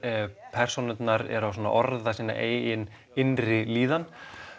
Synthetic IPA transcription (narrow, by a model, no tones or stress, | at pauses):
pʰɛr̥sonʏt̪naɾɛ̰ɾaws̬wɔna̰ʔɔɾðasiːna̰ʔeːjjɪn | ɪnrɪliːðan